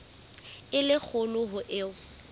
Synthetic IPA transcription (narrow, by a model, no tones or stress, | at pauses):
ɪlɪk͡xʰʊlʊɦʊʔɪʊ